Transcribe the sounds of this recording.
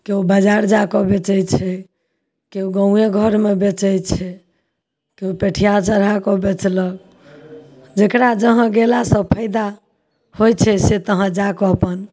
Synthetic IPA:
keubəd͡ʒaɾd͡ʒakɔbet͡ʃɛjt͡ʃʰɛ | keuɡəũeɡʱəɾmebet͡ʃɛjt͡ʃʰɛ | keupeʈʰijat͡ʃəɾakɔbet͡ʃlək̚ | d͡ʒekɾad͡ʒəɦə̃ɡelasəpʰəɪd̪a | hojt͡ʃʰɛset̪əɦə̃d͡ʒakɔəpən

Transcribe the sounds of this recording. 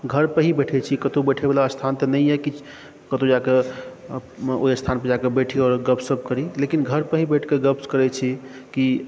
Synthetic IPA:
ɡʱəɾpəɦibɛʈʰɛt͡ʃʰikət̪obɛʈʰebelaəst̪ʰant̪ənəjɛki | kət̪od͡ʒake | oiəst̪ʰanpəd͡ʒakebeʈʰiɔːɾɡəpsəb̚ʱkəɾilekinɡʱəɾpəɦibɛʈʰkeɡəpskəɾɛt͡ʃʰi | ki

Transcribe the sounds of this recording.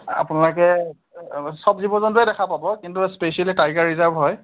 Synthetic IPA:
a̰pʊnalɔkɛ | sɔbzibɔzɔntuɛdɛkʰapabɔkintuspesialitajɡaɹɹizaɹbɦɔj

